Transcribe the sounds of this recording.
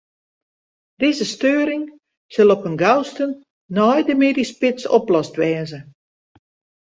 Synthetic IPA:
d̥ɪzəstøːəɾɪŋ | səlˠɔpənɡawstənː | ɔjdəmeːdispɪt͡sɔplɔstʋɛːzə

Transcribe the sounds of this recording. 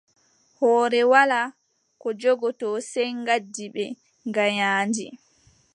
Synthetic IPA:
hɔːɾɛwala | kɔd͡ʒɔɡɔtɔːsɛjŋɡadːiɓɛ | ŋɡaɲaːnd͡ʒi

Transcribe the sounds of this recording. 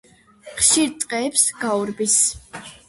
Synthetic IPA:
χʃiɾt̪sʼqʼɛːpsɡ̥auɾbis

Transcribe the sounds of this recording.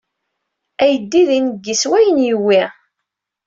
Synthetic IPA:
æjəd̪ːiðinəɡːiswæjənjəwːi

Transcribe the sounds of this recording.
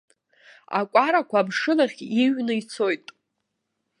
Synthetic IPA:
a̰kʷʼaɾakʷaːbʂɨlaχʲiɥnɨit͡sʰo̞jtʼ

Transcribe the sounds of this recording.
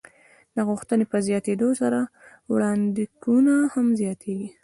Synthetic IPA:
d̪aɣuxt̪ənepəzjɑt̪ed̪osaɾa | wɽɑnd̪iɡunahamzjɑt̪ʰeɡi

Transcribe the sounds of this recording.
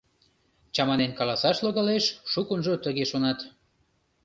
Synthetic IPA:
t͡ɕɑmɑnenkɑlɑsɑʃloɣɑleʃʃukunʒot̪əɣeʃonɑt̪

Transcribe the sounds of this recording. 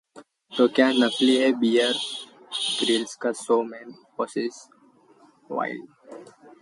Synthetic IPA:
t̪oːkjaːnəkliɦɛbijəɾ | ɡɾiːlskasoːmɛnpɔːsɪs | ʋa̰ɪl

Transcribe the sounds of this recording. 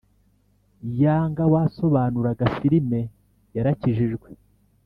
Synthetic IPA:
jaːŋɡawaːso̞βaːnuɾaɡafiɾime̞ | jaɾaciʒiʒɡwe

